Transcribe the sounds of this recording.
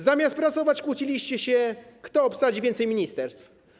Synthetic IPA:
zamʲjast̪̚pɾat̪sɔvat͡ɕkwut͡ɕilʲiɕt͡ɕɛɕɛkt̪ɔːpsad͡ʑivʲɛnt̪sɛjmʲiɲist̪ɛɾst̪f

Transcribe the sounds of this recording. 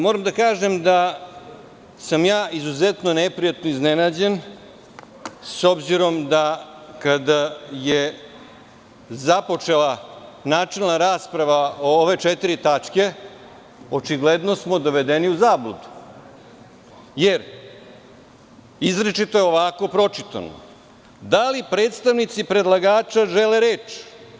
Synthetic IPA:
moːɾamd̪akaːʒe̞md̪a | samjaːizuzet̪no̞nepɾijat̪noiznenaːd͡ʑe̞n | so̞bziɾo̞md̪akad̪aje | zapo̞t͡ʂe̞lˠanaːt͡ʂe̞lˠnaɾaːspɾaʋaooʋe̞t͡ʃet̪iɾit̪at͡ʃke̞ | o̞t͡ʃiɡled̪no̞smo̞d̪o̞ʋe̞d̪eniuzaːblud̪u̥ | je̞ɾ | izɾet͡ʃit̪o̞jeo̞ʋako̞pɾo̞t͡ʃit̪a̰no̰ | d̪alipɾeːt̪st̪aʋnit̪sipɾe̞d̪lˠaɡaːt͡ʃaʒele̞ɾeːt͡ʃ

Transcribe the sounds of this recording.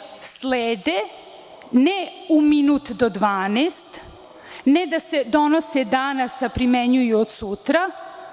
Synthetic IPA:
sleːd̪e | neuminut̪d̪od̪ʋaːnest̪ | ned̪ase̞d̪o̞nosed̪anasapɾimeɲujuod̪sut̪ɾa

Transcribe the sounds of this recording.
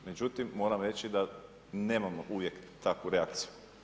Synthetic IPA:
me̞d͡ʒut̪imːo̞ːɾamɾe̞t͡ɕid̪a | ne̞ːmamoʔuʋje̞kt̪akʋuɾeakt̪siju

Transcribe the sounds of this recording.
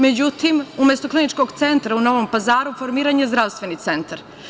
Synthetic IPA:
me̞d͡ʑut̪imumest̪o̞klinit͡ʃko̞ɡt̪se̞nt̪ɾauno̞ʋo̞mpazaːɾufo̞ɾmiːɾaːɲezd̪ɾaʋst̪ʋe̞nit̪se̞nt̪aɾ

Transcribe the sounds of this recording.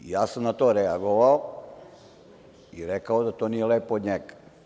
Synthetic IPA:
ijaːsamnat̪oːɾeaɡoʋao | iɾekaod̪at̪oːnijeleːpood̪ɲeɡ

